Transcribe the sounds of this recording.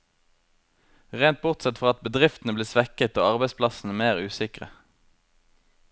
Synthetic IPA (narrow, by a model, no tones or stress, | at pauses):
ʁeːnt̪̚bʊʁt̪sɛt̪fɔʁɑt̪̚bəd̪ʁɪft̪n̩əbliːʁsʋɛkət̪o̰ːɑʁbɛɪspʰlɑsn̩əmeːʁʉːsɪkʁə̰